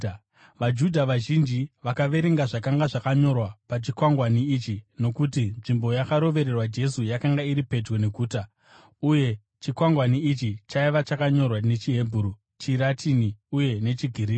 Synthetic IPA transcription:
ʋad͡ʒudʱaʋaʒind͡ʒiʋakaʋe̞ɾe̞ŋɡaʐakaŋɡaʐakaɲo̞rwapat͡ʃikwaŋɡwaniːt͡ʃino̞kut̬inʐimbo̞jakaɾo̞ʋe̞ɾe̞rwad͡ʒe̞sujakaŋɡaiɾipe̞d͡ʒɡo̞ne̞kuːta | uje̞ | t͡ʃikwaŋɡwaniit͡ʃit͡ʃaiʋat͡ʃakaɲo̞rwane̞t͡ʃiɦe̞bʱuɾu | t͡ʃiɾatʰiniuje̞ne̞t͡ʃiɡʱiɾiːi

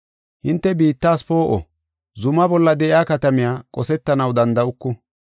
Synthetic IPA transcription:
hɪnt̪ːɛbiːt̪ːaːspo̞ːʔɔ̰ | zʊmɐbɔlːɐd̪ɛʔɪjaːkɐt̪ɐmɪjaːkʼɔsɛt̪ːɐnɐwd̪ɐnd̪ɐʊkːʊ

